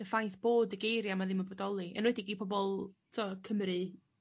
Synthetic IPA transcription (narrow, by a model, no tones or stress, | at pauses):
əfajθb̥oːdəɡejɾjamaðɪnməbɔdɔlˠiʔə̰nwɛdiɡiːpʰɔbɔlˠtʰɔkʰəmɾɨ